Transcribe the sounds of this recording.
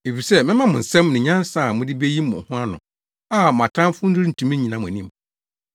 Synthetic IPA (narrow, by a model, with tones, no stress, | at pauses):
e˨fi˨sɛ˦mɪ̃˦mã˦mʊ̃˨n̩˨sɛ̃˦mnɪ̃˨ɲã˦n˦sa˨mʊ̃˦dɪ˦be˦ji˦mʊ̰̃˨hʊ̃˦a˦nʊ̰̃˨ | a˦˨m˨ã˨tʰã˦m˦fʊ˦n̩˦du˦ɾn̩˨tʰũ˨mĩ˦ɲĩ˨nã˨mʊ̃˨æ˨nĩ˦m